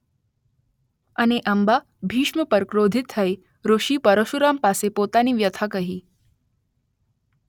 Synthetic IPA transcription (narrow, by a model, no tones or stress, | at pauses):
ɐneʔɐmba | bʱiːʃməpəɾkɾoːd̪ʱɪt̪ʰːɐe | ɾoʃiːpəɾəʃuɾaːmpaːsepoːt̪aniːʋjɐt̪ʰakɐɦiː